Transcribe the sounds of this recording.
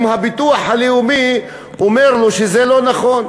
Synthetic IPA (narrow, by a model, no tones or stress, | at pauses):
mhabit̪uaħaleumi | omeʁloʃezelo̞naχo̞n